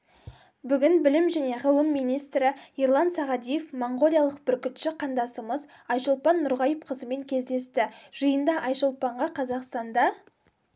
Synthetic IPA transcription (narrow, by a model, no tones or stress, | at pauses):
bʏɡʲɪnbɪlɪmʒæne̞ʁəlˠəmːijnijst̪ɾɪiɾlˠɑnsɑʁɑd̪ijefmoɴʁo̞lijalˠəq̚bɪɾkʲʏt̪ʃɪqʰɑnd̪ɑsəməz | ɑjʃəlˠpɑnːʊɾʁɑjəpqʰəzəme̞ŋkʲʰe̞zd̪e̞st̪ɪʒ̥əjənd̪ɑʔɑjʃəlˠpɑɴʁɑqʰɑzɑqst̪ɑnd̪ɑ